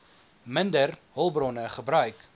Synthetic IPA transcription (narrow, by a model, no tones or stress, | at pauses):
məndərɦəlˠbrɔnəχəbɾœɥk